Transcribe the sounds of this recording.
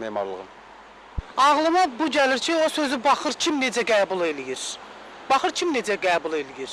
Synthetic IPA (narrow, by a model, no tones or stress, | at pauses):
memɑ̰ɾlˠɯ̰ʁɯn | ɑʁlˠɯmɑbuɟæliɾcʰiosøzybɑχɯɾcʰimne̞d͡ʒæɡæːbulˠelijiɾ̥ | b̥ɑχɯɾcʰimne̞d͡ʒæɡæːbulˠe̞lijiɾ̥